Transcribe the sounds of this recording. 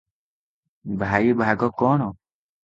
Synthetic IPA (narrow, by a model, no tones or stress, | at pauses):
bʱaːjibʱaːɡɔkoːno